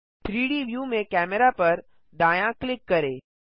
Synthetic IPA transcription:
t̪ʰɾiːɽiʋjuːmẽkæmeɾapəɾ | d̪aːjãklɪkːəɾe

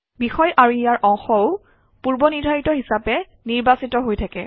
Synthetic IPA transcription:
bixɔjʔaɹuijaɹʔɔŋxɔʊ | puɹbɔniɹdʱajitɔɦisapɛ | niɹbasitɔɦojtʰakɛ̰

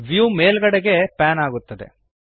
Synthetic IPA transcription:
ʋjuːmeːlɡɐɽeɡe̞paːnaːɡut̪ːɐd̪e̞̰

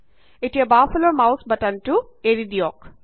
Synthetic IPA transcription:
iʈebaːfɐloːmɐwsbɐʈɐɳʈueɾid̪ijɔːk

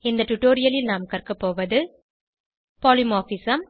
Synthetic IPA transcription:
ɪnd̪ɐʈʊʈːoːɾɪjɐlɪlnaːmkɐrkɐpːoːʋɐðɯ | poːlɪmoːfisɐm

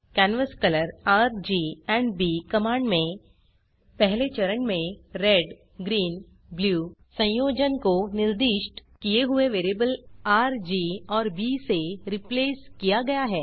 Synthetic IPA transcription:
kɛːnʋəskɐləɾaːɾd͡ʒiːɛ̃ːɳɖbiːkɐmãːɳɖmẽ | pɛɦlet͡ʃɐɾəɳmẽɾɛɖ | ɡɾiːn | bljuːsɐ̃j̃joːd͡ʒənkonɪɾd̪ɪːʃʈkijeɦʊeʋeːɾebəlaːɾd͡ʒiːɔːɾbiːseɾɪpleːskijaɡɐjaɦɛː

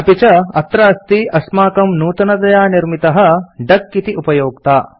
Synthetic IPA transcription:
ɐpit͡ʃɐɐt̪ɾɐɐst̪iɐsmaːkɐmnuːt̪ɐnɐd̪ɐjaːniɾmit̪ɐɦɐ̆ɖɐkːit̪iʔupɐjoːk̚t̪aː

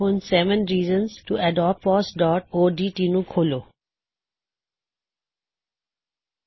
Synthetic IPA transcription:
õnsɛʋə̃nɾiːzə̃nsʈuɛɖɔːp̚fɔːsɖɔːʈoːɖiːʈinukʰoːloː

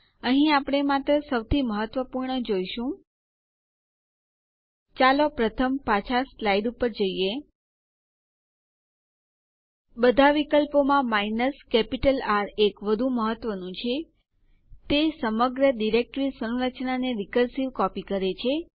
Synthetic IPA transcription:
əɦĩapɽ̃emat̪ɾəsəwt̪ʰiməɦət̪ʋəpuɾɳəd͡ʒoiʃũ | t͡ʃalopɾət̪ʰəmpat͡ʃʰaslaid̪upəɾd͡ʒəie | bəd̪ʱaʋikəlpomãmainəskɛpiʈəlaɾekʋəd̪ʱũməɦət̪ːʋənũt͡ʃʰe | t̪esəməɡɾəɖiɾek̚ʈɾisə̃ɾət͡ʃnaneɾikəɾsiʋkɔpikəɾet͡ʃʰe

